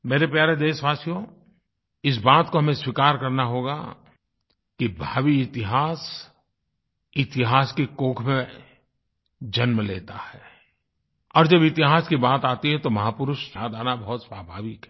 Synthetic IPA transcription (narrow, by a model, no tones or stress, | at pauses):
meːɾepjaːɾed̪eːʃʋaːsijõ | ɪs̬baːt̪koɦɐmẽswɪkaːɾkɐɾnaɦoːɡa̰ | kibʱaːwiɪt̪ɪɦaːs | ɪt̪ɪɦaːskikoːkʰmẽ | d͡ʒɐnmẽleːt̪ahɛː | ɔːɾd͡ʒɐbɪt̪ɪɦaːskibaːt̪aːt̪iɦɛ̃t̪omɐɦaːpʊɾʊʃsaːd̪ʱaːnabɐɦʊt̪saːbʱaːʋɪkɦɛ